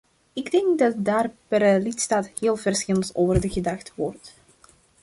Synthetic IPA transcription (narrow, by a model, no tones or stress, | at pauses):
ɪɡdɛŋkdɑt̚daːrpɛrəlɪtstaːthɪːlˠvərsxɪlˠəntoːvərdəɣədɑxtəʋɔrt